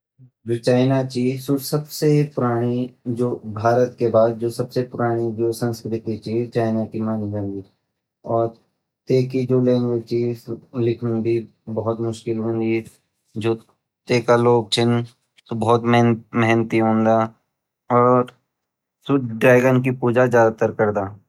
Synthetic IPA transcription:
d͡ʒoːt͡ʃaːɪnat͡ʃisʊʈsɐbsepʊɾaːɽ̃id͡ʒoːbʱaːɾət̪kebaːd̪̚d͡ʒoːsɐbsepʊɾaːɽ̃id͡ʒoːsə̃nskɾɪt̪it͡ʃit͡ʃaːɪnakimaːniɦõːnd̪i | ɔːɾ | t̪eːkid͡ʒoːlẽːŋɡət͡ʃislɪkʰnũb̪i | bɐɦʊt̪mʊʃkɪlɦõːnd̪i | d͡ʒoː | t̪eːkaloːɡ̚t͡ʃʰɪn | t̪obɐɦʊt̪mɛɦnət̪iɦõːnd̪a | ɔːɾ | sʊɖɾaːɡənkipuːd͡ʒazjaːd̪at̪əɾkəɾd̪aː

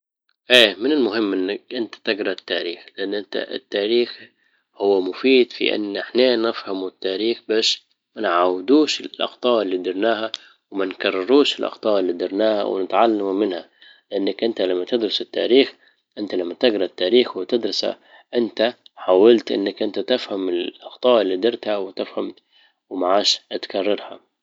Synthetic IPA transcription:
ʔeːmɪnɪlmʊɦɪmːʔɪnːakʔɪnt̪ḁt̪ɪɡɾˤɑt̪ːaːɾiːxlɪʔanːʔɪnt̪a̰ʔɪt̪ːaːɾiːx | hʊwːamʊfiːd̪fḭʔɪ̰nːʔɪħneːnɪfhamut̪ːaːɾiːxbaːʃ | manʕaːwɪd̪uːʃɪlʔɑ̰qt̪ˤɑːʔɪlːiːd̪ɪɾˤnaːha | wmankɑrˤːɪɾuːʃɪlʔɑ̰qt̪ˤɑːʔɪlːiːd̪ɪɾˤnaːha̰wɪ̰nɪt̪ʕalːammɪnha | lɪʔanːakʔɪnt̪alamːat̪ɪd̪ɾʊsɪt̪ːa̰ːɾiːx | ʔɪnt̪alamːat̪ɪɡɾˤɑt̪ːaːɾiːxwt̪ɪd̪ɾɑsa̰ | ʔɪnt̪aħaːwalt̪ʔɪ̰nːakʔɪnt̪at̪ɪfhamɪlʔɑqt̪ˤɑːʔɪlːiːd̪ɑɾˤt̪hawɪt̪ɪfham | wmaʕaːʃʔat̪kɑrˤːɑɾˤha̰

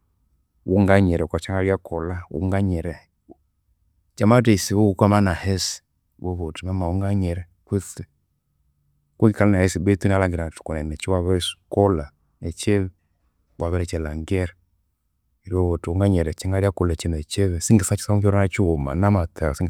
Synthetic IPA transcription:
wuŋɡaɲɛɾɛkwat͡ʃaŋɡaɾiakɔlaṵŋɡaɲɛɾɛ | t͡ʃamatɛisiβɔukwamanahɛsi̥ | wɔβɔtumɛmauŋɡaɲɛɾɛ | kwiθɛ | kuŋɡikalanahɛsibɛtunalaŋɡiɾatu̥kɔnɛnɛt͡ʃiwaβɛskɔla | ɛt͡ʃɛβɛ | waβɛlɛt͡ʃɛlaŋɡɛɾɛ | iɾiɔβɔtuuŋɡaɲɛɾɛt͡ʃɛŋɡaɾiakɔlɛt͡ʃɛnɛt͡ʃɛβɛsiŋɡɛsat͡ʃi̥saɔŋɡɛɾɔnat͡ʃuɔma̰namataɔsiŋ

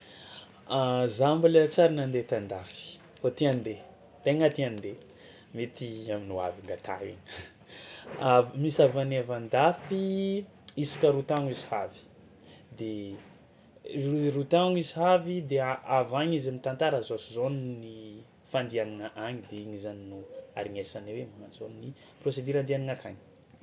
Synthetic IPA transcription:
azambalət͡saɾinand̪et̪and̪afi̥ | fat̪iand̪e | t̪eŋat̪iand̪e | met̪iaminua̰viŋɡat̪a̰ḭɲi̥ | avmisavanavand̪afi | isi̥kʲəɾut̪aŋizihavi̥ | d̪e | irut̪aŋizihavid̪eaavaɲizamit̪ant̪aɾazoasizonini | fand̪ianaŋaʔaɲid̪eiɲizaninua̰ɾiŋesanewemmazonini | prosed̪iɾand̪ianiŋakʰa̰ɲi̥

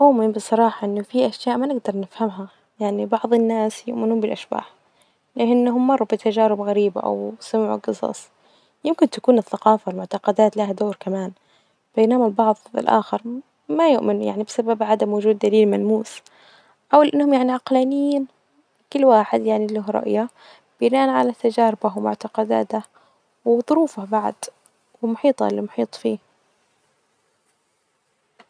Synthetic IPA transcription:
mʊːʔmɪnbɨsˤɑɾˤɑːħɑʔɪnːʊfiʔaʃjaːʔmanɪɡd̪ɑɾˤnɪfhamɦa | jaʕnibɑʕðˤɪnːaːsjʊʔmɪnuːmbɪlʔaʃba̰ːħ | lɪʔɪnːɦʊmːɑrˤːubɪt̪ʰad͡ʒaːɾɪbɣaɾiːba̰ʔa̰wsʊmʕṵɡɨsˤɑ̰sˤ | jɪmkɪnt̪akuːnɪθːaqɑːfawɪlmʊʕt̪ɑqɑd̪aːt̪laɦad̪oːɾkamaːn | b̥ajnamalbɑʕðˤɪ̰lʔa̰ːxɪɾ | majʊʔmɪnja̰ʕnibɪsababʕad̪amwʊd͡ʒuːd̪̚ːaliːlmalmuːs | ʕawalʔɪnːhʊmjaʕniʕɑqlaːnɪjiːn | kɪlːwaːħɪd̪jaʕnilʊɦɾˤɑ̰ʔja | b̥ɪnaːʔanʕalat̪ad͡ʒaːɾɪbawmʊ̰ʕt̪ɑqɑd̪a̰ːt̪a | wɪðˤʊɾuːfabaʕ̰d̪̥ | wɪmʊħiːt̪ˤɑ̰limʊħiːt̪ˤfiː

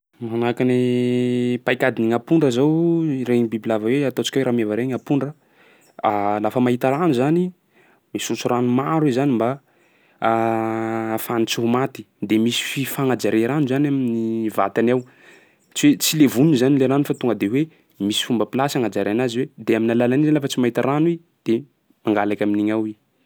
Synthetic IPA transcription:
manakani | pajkad̪iniŋapuɳɖ͡ʐəzawɾeɲibibilavaweat̪ot͡si̥kweɾamavaɾeŋapuɳɖ͡ʐə | alafəmaɦit̪aɾanuzani | misut͡suranumaɾwizanimba | fanit͡siɦumat̪i̥ | d̪emisi̥fifaŋad͡ʒaɾeɾanuzanaminiva̰t̪anaw | t͡siwet͡silevunizanileɾanufat̪uŋɡəd̪ewe | misi̥fumbəpilasaŋad͡ʒaɾianaziwed̪eaminalalanizanlafət͡simait̪aɾanwi | d̪̥e | maŋɡalakʲaminiɲawi

